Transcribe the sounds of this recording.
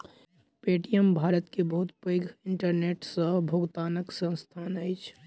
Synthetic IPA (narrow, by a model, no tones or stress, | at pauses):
peːʈijəmbʱaːɾət̪kebɐɦʊt̪pəjɡʱɪ̃ɳʈəɾneːʈsəbʱoːɡt̪aːnəksə̃nst̪ʰaːnəɪt͡ʃʰ